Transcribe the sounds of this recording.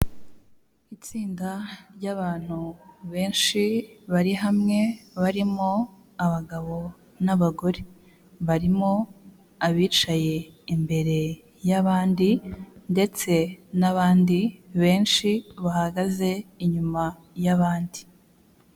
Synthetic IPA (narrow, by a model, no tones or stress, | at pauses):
it͡siːndaɾɟaβaːn̥huβe̞ːnʃiβaɾiɦamŋe̞βaɾimo | aβaɡaβo̞ | naβaɡo̞ɾe | βaɾimo̞ | aβiːt͡ʃaje̞imbe̞ɾe̞ | jaβaːndinde̞t͡se̞naβaːndiβe̞ːnʃiβahaɡaze̞iɲuma | jaβaːndi